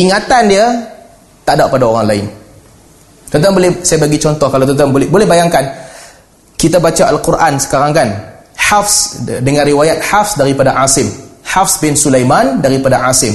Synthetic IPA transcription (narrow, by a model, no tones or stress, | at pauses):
iŋat̪andia | t̪adaʔpadaoɾaŋlaɪ̰n | t̪ənt̪aŋbolɛsajabaɡit͡ʃɔnt̪ɔhkalawt̪ɔnt̪aŋbbolɛhbajaŋkan | kit̪abat͡ʃaʔalkurʔansə̥kaɾaŋkan | ħafsdəŋãnriwajat̪̚hafsdaɾipadaʕasɪmhafsbɪnsulajmandaɾipadaʕasɪm